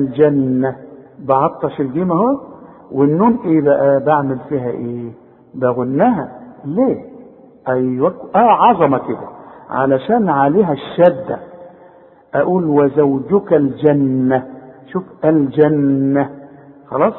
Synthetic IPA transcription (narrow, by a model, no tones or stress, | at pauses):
ld͡ʒænːæbɑʕɑt̪ˤːɑʃɪlɡiːmæhowæ | wɪnːuːnʔeːbæʔæbaʕmɪlfiːɦæʔeː | bæɣʊnːæɦæleː | ʔæjwækʔæʕɑzˤɑmɑkɪd̪æ̰ʕa̰læʃæːnʕaleːɦæʃːæd̪ːæ̰ | ʔæʔuːlwæzæwd͡ʒʊkæld͡ʒænːæʃuːfʔæld͡ʒænːæxɑlɑːsˤ